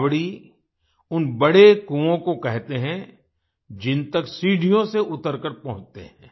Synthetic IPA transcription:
ʋɽi | ʊnbɐɽekuõkokɛɦt̪eɦɛ̃ | d͡ʒɪnt̪əksiːɖʱijõseʔʊt̪əɾkəɾpɐɦʊ̃t͡ʃt̪ḛɦɛ̃ː

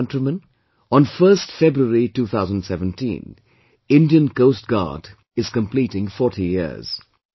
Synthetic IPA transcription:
ntɹəmə̃n | ɔ̃nfəːstfɛbɹuəɹituːt̪ʰaʊzə̃n̩dsɛvə̃ntʰḭ̃ːn | ɪ̃ndiə̃nkoʊst̚ɡ̥a̰ːd | ɪz̥kə̃mpliːtɪ̃ŋfɔtijɪ̰z̥

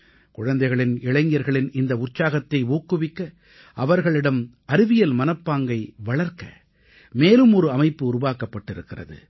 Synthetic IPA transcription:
kʊɻɐnd̪ɐɪɣɐɭɪnɪɭɐŋɡɪjɐɾɣɐɭɪnɪnd̪ɐʊrt͡ʃaːɣɐt̪ːɐɪuːkːɯʋɪkːɐ | ʔɐʋɐɾɣɐɭɪɽɐm | ɐɾɪʋɪjɐlmɐnɐpːaːŋɡɐɪʋɐɭɐɾkɐ̰ | meːlɯmɔɾɯɐmɐɪpːɯʊɾʊʋaːkɐpːɐʈːɪɾɯkːɪrɐ̰ðɯ̰

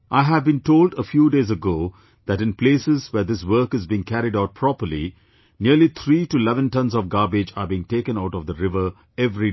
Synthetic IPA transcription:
ʔaɪɦævbĩntoːlɖəfjuːɖeːzəɡoː | ð̥æʈɪ̃npleːsɪzwɛːd̪ɪswəɾkɨzbĩɪ̃ŋkʰæɾɪɖaʊt̚pʰɾɔpəɾli | nilit̪ʰɾiːʈuɪlɛvə̃ntʌ̃nzɔvɡaːbɪd͡ʒabiːɪ̃ŋʈeːkə̃naʊʈɔvd̪əɾɪvə˞ | ɛvɾi

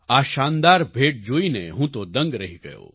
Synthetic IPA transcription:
aːʃaːnd̪aːɾbʱeːʈ̚d͡ʒoːinḛɦũːt̪od̪ɐ̃ŋɡɾɐɦiɡɐjo̰ː

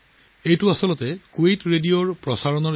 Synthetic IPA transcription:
ejtuasɔlɔtɛkuejtɹedijoɹpɹɔsaɹɔnɔɹ

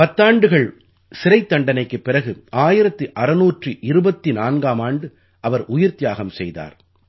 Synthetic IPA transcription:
pɐt̪ːaːɳɖɯɣɐɭ | sɪɾɐɪt̪ːɐɳɖɐnɐɪkːɯpːɪrɐɣɯʔaːjɪɾɐt̪ːɯʔɐɾɐnuːʈriʔɪɾɯbɐt̪ːinaːnɡaːmaːɳɖɯ | ɐʋɐɾʔʊjɪɾt̪ɪjaːɣɐmsɛjða̰ːɾ

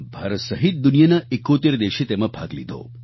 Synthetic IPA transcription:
bʱaɾət̪səɦit̪̚d̪unijənəekːot̪eɾd̪eʃit̪eməbʱaɡlḭd̪ʱo̰

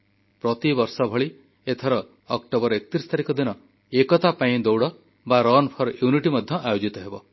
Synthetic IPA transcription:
pɾɔt̪ibɔɾsɔbʱɔɭi | et̪ʰɔɾɔː | kʈobɔɾekɔt̪ɾisɔ̥t̪ʰaɾikɔd̪inɔ | ekɔt̪apaĩd̪owɽɔ | baɾɔnpʰɔɾjuniʈimɔd̪ʱjɔʔajod͡ʒit̪ɔɦebɔ

